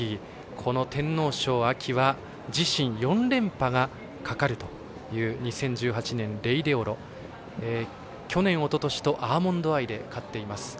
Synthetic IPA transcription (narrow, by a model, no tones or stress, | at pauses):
i | kʰo̞no̞t̪ẽ̞nːo̞ːɕo̞ːakʲʰiβa | d͡ʑiɕĩɰ̃jõ̞nɾẽ̞mpaɡa | kakaɾɯ̟t̪o̞̥ | jɯ̟ːɲ̟isẽ̞ɲ̟d͡ʑɨːɦat͡ɕinẽ̞nɾe̞id̪e̞o̞ɾo̞ | e | kʲo̞nẽ̞ɰ̃o̞t̪o̞t̪o̞ɕi̥t̪o̞ʔaːmõ̞nd̪o̞aid̪e̞kat̪ːe̞imasɨ̥